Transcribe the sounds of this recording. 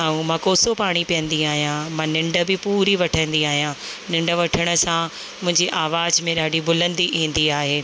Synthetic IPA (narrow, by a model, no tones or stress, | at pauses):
aːũmãːkoːsopaːɽ̃ipijə̃nd̪iaːɦijãmãːnɪ̃ɳɖə̆bɪpuːɾiʋɐʈʰə̃nd̪iaːɦijãnɪ̃ɳɖə̆ʋɐʈʰəɽ̃əsã | mʊ̃ɦɪ̃ɲd͡ʑiʔaːʋaːzmẽɗaːɖibʊlə̃nd̪iʔĩːn̆d̪iaːɦeː